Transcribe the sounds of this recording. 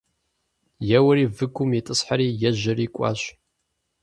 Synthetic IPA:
jɛwɐɾiːvɨɡʷʊmjitʼɨsħaɾiːjɛʒɪɾiːkʷʼɑ̰ːɕ

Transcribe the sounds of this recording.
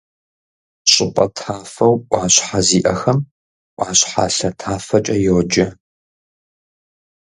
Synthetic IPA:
ɕʼɪqʷʼɐ̰tʰaːfɐwʔʷaːɕħaziːʔɐxɐm | ʔʷʼaːɕħa̰ːɬɐtʰaːfɐt͡ʃʼɐjowd͡ʒɐ

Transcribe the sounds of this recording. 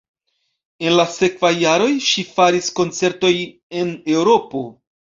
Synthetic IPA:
e̞nlase̞kvajːaɾo̞jʃifaɾisko̞nt͡se̞ɾto̞j | e̞ne̞wɾo̞po̞

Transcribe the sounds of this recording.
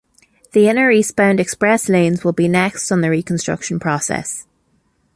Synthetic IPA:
ðiɪnəɹispãʊ̃ndɛkspɹɛslẽːnzwɪlˠbinɛkstn̩ðəɹiːkʰə̃nstɹ̥ʌ̰kʃə̃npʰɹ̥ɔsɛ̰s

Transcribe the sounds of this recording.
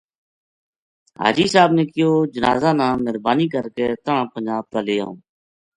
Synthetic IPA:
ɦa̰ːd͡ʒiːsaːbnẽːkɪjoːd͡ʒəna̰ːzãːnãːməɾbaːniːkəɾkeːt̪əɳãːpənd͡ʒaːb̚t̪aːleːõ̰ː

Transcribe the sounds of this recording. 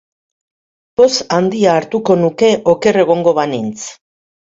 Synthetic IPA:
bo̞sand̪iaːɾt̪uko̞nuke̞ʔo̞ke̞re̞ɣ̞o̞ŋɡo̞βanint͡s

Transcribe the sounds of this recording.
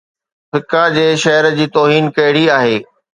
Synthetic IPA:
fɪkad͡ʑeːʃɐɦəɾəd͡ʑiːt̪oːɦiːnkɐɦɪɽiaːɦeː

